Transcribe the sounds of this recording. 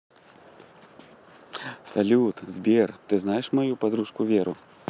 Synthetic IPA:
salʲut̪zʲbʲɛrt̪ɨznajɛʂmajupad̪ɾuʂkuvʲɛɾṵ

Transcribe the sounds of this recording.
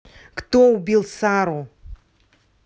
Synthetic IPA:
kt̪oubʲilˠsaɾu

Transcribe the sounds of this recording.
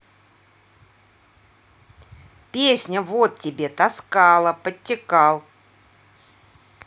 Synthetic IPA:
pʲesʲnʲəvot̪tʲːɪbʲet̪ɐskɑlˠəpətʲːɪkɑlˠ

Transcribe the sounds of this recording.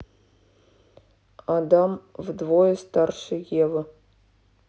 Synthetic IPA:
ad̪ɑmvd̪vojəst̪ɑrʂɨjevə

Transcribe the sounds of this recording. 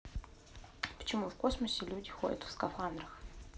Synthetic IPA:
pə̥t͡ʃɪmufkosməsʲɪlʲudʲɪxo̰dʲɐ̰t̪fskɐfand̪rɐx

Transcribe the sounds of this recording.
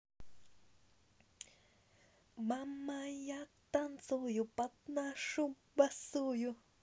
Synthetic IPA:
mamːajat̪ːant͡sojupat̪̚naʂu | basuju

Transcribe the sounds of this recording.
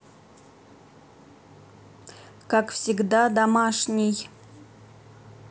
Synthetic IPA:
kakfsʲiɡd̪ad̪amaʂnʲɪj

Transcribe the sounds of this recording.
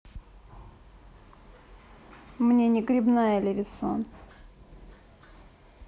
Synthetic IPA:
mnʲenʲɪɡɾʲɪbnajəlʲɪvʲɪso̰n

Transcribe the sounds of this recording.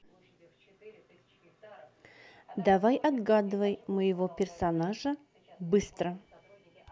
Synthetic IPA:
d̪ɐvajʔɐd̪ɡad̪ɨvəjməjɪvopʲɪrsɐnaʐə | bɨst̪ɾə

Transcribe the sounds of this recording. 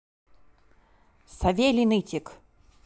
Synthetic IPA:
sɐvʲelʲinɨtʲɪk

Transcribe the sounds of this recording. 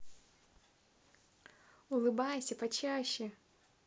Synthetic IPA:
ʊlˠɨbajsʲɐpɐt͡ɕaɕːɛ

